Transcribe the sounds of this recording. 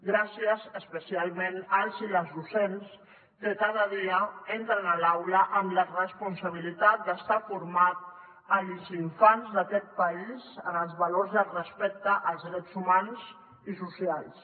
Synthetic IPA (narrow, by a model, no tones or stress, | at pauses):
ɡɾasiəzəspəsialˠmenəlˠziləzðusens | k̪əkaðəðiəent̪ɾənalawləʔəmlərəspunsəβ̞ilit̪at̪̚d̪əst̪afuɾmat̪̚ | əlziɱfanzðəkɛt̪̚pəizənəlˠzβaloɾzðəlrəspɛk̚t̪əʔəlˠzðɾɛtzumanz | isusialˠs